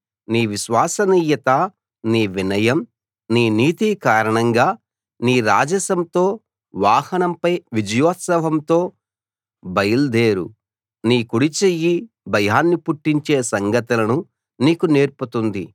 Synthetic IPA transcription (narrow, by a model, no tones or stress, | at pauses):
niːʋiʃʋaːsɐniːjɐt̪ɐ | niːʋinɐjɐm | niːniːt̪ikaːɾɐɳɐŋɡaː | niːɾa̰ːd͡ʒɐsɐmt̪o̞ː | ʋaːhɐnɐmpɐjʋid͡ʒɐjɔːt̪sɐʋɐmt̪o̞ː | bɐjɐld̪eːɾṵ | niːkuɽit͡ʃejːi | bʱɐjaːnːipuʈːiɲt͡ʃe̞ːsɐŋɡɐt̪ulɐnu | niːkune̞ːɾput̪und̪ḭ